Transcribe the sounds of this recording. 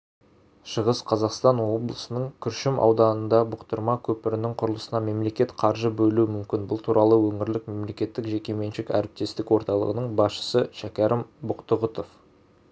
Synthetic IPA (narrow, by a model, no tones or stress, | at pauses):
ʃəʁəsqʰɑzɑqst̪ɑnwo̞blˠəsənəɴkʲʰʏɾʃɪmʔɑ̰wd̪ɑnənd̪ɑbʊqt̪əɾmɑkʲʰɵpɪɾɪnɪŋqʰʊɾəlˠəsənɑme̞mle̞kʲe̞t̪qʰɑɾʒəbɵluɪmʏmkʲɪnbʊlˠt̪ʰuɾʔɑlˠəwɵŋɪɾlɪk̚me̞mle̞kʲe̞t̪ːɪkʒe̞kʲe̞me̞nʃɪkæ̰ɾɪp̚t̪e̞st̪ɪkwo̞ɾt̪ɑlˠə̰ʁənəɴbɑsʃə̥səʃækʲæɾʔɪmbʊqt̪əʁʊt̪of